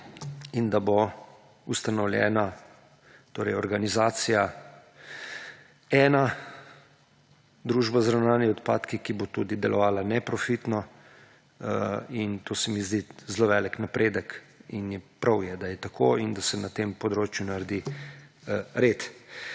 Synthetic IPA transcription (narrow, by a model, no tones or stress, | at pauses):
ind̪abo | ust̪anɔwljɛ̰na | t̪oːɾɛjɔɾɡanizaːt̪sija | ɛːna | d̪ɾuːʒbazɾawnaːniɔt̪paːt̪kikibot̪uːd̪id̪ɛlʔɔʋaːlanɛpɾɔfit̪nɔ | int̪oːsɛmizd̪izloʋɛːliknapɾeːd̪əkinjɛpɾʔawjɛd̪ajɛt̪akʰoind̪asɛnat̪empɔd̪ɾoːt͡ʃjunaɾd̪i | ɾet̪